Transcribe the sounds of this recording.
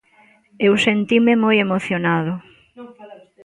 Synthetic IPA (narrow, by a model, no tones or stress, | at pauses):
ewsent̪imemojemoθjonaðʊ